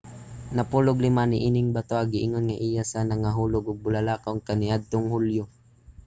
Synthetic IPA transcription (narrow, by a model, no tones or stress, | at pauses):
nɐpulʊɡlɪmanɪʔiːnɪŋbat̪oʔaɡɪʔɪŋonŋaʔɪjasanaŋaɦuːlʊɡʊɡ̚bʊlalaːkawŋkanɪʔad̪̚t̪oŋhʊljʊ